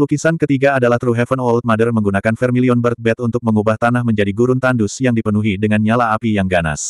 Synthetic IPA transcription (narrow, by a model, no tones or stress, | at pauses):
lukisankət̪iɡaːdalaht̪ɾuɦɛfənwɔlt̪̚madərməŋɡunakanfɛrmiliɔnbərt̪̚bɛt̪unt̪ʊk̚məŋubaht̪anahməɲd͡ʒadiɡuɾunt̪andusjaŋdipənuɦidəŋanɲalaːpijaŋɡana̰s